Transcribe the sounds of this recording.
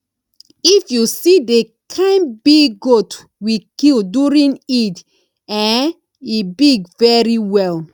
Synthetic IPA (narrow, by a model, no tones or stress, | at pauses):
ifjuside | kʰãnbiɡɡot | wikilduɹĩnit | ɛ̃n | ibiɡvɛɹiwɛl